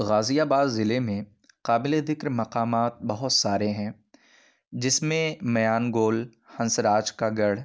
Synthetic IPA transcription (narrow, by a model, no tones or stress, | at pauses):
ɣaːzijaːbaːd̪zɪlemẽ | qaːbɪled̪ɪkɾmɐqaːmaːt̪̚bɐɦʊt̪saːɾeɦɛ̃ː | d͡ʒɪsmẽmɐjaːnɡoːl | hɐ̃nsɾaːt͡ʃkaɡɐɽ